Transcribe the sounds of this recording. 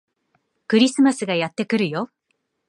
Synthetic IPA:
kɯ̟ɾʲisɨmasɨɡajat̪ːe̞kɯ̟ɾɯ̟jo̞

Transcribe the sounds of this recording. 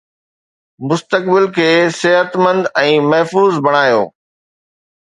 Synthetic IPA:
mʊst̪ək̚bɪlkʰeːsɪɦət̪mə̃nd̪ɛ̃ːmɐɦfuːzbɐɽ̃aːjo̰ː

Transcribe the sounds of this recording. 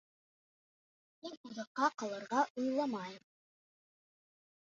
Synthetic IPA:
hinuðɤ̆qːɑqɑ̆lˠɤ̆ɾʁɑʔujlˠɑmɑjm

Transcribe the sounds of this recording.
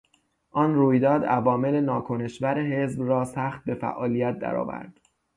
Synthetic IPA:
ʔɒnruːjd̪ɒːd̪ævɒːme̞lenɒːkʰone̞ʃvæɾeɦe̞zbrɒːsæxt̪̚be̞fæ̰ʔɒːlijæt̪̚d̪æ̰ɾɒ̰ːvæ̰ɾd̪̥

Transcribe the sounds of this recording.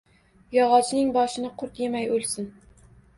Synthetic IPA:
jɒʁɒt͡ʃʰnɪŋbɒʃɪnɪqʰʊɾt̪jemæjolˠsɪn

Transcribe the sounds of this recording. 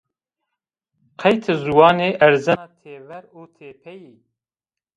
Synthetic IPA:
qʰɛjt̪ʰɨzuwɑːneːʔæɾzɛnɑːt̪ʰeːvɛɾuːt̪ʰeːpʰɛji

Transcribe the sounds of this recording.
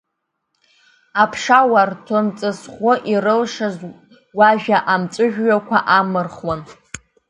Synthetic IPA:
apʰʂawartʰomt͡sʼɨsχʷʊʔirɨlʂaz | waʒᶣaʔamt͡sʼɨʒᶣʷɥakʷʰaʔamɨrχwan

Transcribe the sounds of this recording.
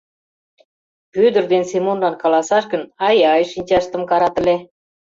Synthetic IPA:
pyd̪ə̆rd̪ensemonlɑnkɑlɑsɑʃkə̆nɑjɑjʃinʲt͡ɕɑʃt̪ə̆mkɑɾɑt̪ə̆le

